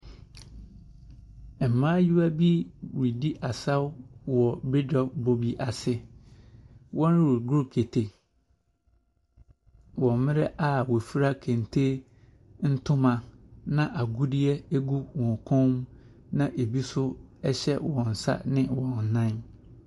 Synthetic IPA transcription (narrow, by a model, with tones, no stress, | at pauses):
m̩˨mãː˦ju˦wa˦bi˦wi˨di˦ʔa˨sa˦wwɔ˨bɪ˦dɔ˨bo˦bi˦ʔa˨sɪ˦ | wʔɔ̃˦n˦wi˨ɡu˦˨kʰe˨tʰe˨ | wɔ̃˨m˨mɪ̃˦ɾɛ˦ʔa˨wo˨fu˦ɾa˦kʰẽ˨n˨tʰe˦ | n̩˦tʰʊ̃˦mã˨nã˦ʔa˨ɡu˦di˦ɛ˦e˦ɡu˦wɔ̃˨ŋ˨kʰɔ̃˦m | nã˦ʔe˨bi˦sʊ˦ɛ˦ɕɛ˦wɔ̃˨n̩˨sa̰˦nɪ̃˦wɔ̃˨n̩˨nã˦n